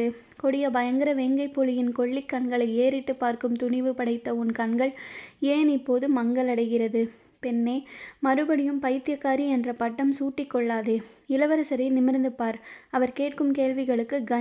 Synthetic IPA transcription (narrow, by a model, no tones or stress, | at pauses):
ɯ | kɔɽɪjɐbɐjɐŋɡɐɾɐʋeːŋɡɐɪpːolɪjɪnkɔɭːɪkːɐɳɡɐɭɐɪeːɾɪʈːɯpːaːɾkɯmt̪ʊnɪʋɯpɐɽɐɪt̪ːɐʊnkɐɳɡɐɭeːnɪpːoːðɯmːɐŋɡɐlɐɽɐɪɣɪrɐðɯ | pɛnːeːmɐɾɯbɐɽɪjɯmpɐjt̪ːɪjɐkːaːɾiɛndrɐpɐʈːɐmsuːʈːɪkːɔɭːaːðeːɪlɐʋɐɾɐsɐɾɐɪnɪmɪɾnd̪ɯpːaːɾɐʋɐɾkeːʈ̚kɯmkeːlʋɪɣɐɭɯkːɯɡɐ